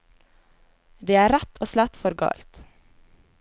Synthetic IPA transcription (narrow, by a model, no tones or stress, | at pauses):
d̪eːæːɾæt̪ʰoːslɑt̪fɔɾɡɑ̰ːlt̪